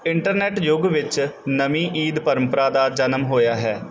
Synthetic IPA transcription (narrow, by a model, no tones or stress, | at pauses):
ɪɳʈəɾnɛːʈjʊɡʋɪt͡ʃnəmĩːʔiːd̪pəɾəmpəɾaːd̪aːd͡ʒənəmɦoːjaːɦɛː